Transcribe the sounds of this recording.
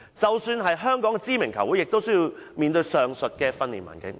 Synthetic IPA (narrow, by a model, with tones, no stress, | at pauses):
t͡sɐ˨wsyː˧nɦɐ˨jɦœː˥ŋkɔː˨˥ŋkɛ˧t͡siː˥mɪ˨˩ŋkʰɐ˨˩wuː˨˥jɪ˨k̚t̪o˥wsɵ˥jiː˨˧wmiː˨nt̪ɵ˧ɥjsœː˨ŋsɵ˨t̚kɛː˧fɐ˥nlḭː˨˩nmwa̰ː˨˩nkɪ˨˥ŋ